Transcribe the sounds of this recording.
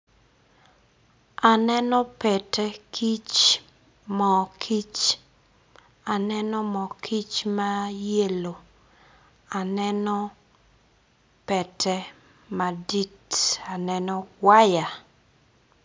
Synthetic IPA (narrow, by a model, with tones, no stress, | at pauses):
a˨nɛ˦nɔ˦pɛ˨tɛ˦kʰi˦t͡ʃ | mɔ˨kʰi˦t͡ʃ | a˨nɛnɔ˦mɔ˨kʰi˦t͡ʃma˦je˦lo˨ | a˨nɛ˦nɔ˦ | pɛ˨tʰɛ˦ | ma˨di˦ta˨nɛnɔ˦wa˦ja˨